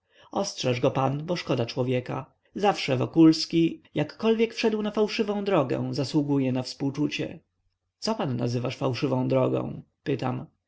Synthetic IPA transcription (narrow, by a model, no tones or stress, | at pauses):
ɔstʂɛʐɡɔpanbɔʂkɔd̪at͡ʂwɔvʲjɛka | zafʂɛvɔkulskʲijakːɔlvʲjɛkfʂɛd̪wnafawʂɘvɔ̃w̃d̪ɾɔɡɛ̰̃zaswuɡujɛnafspuwt͡ʂut͡ɕɛ̰ | t̪sɔpanːa̰zɘvaʂfawʂɘvɔ̃w̃d̪ɾɔɡɔ̰̃w̃ | pɘt̪a̰m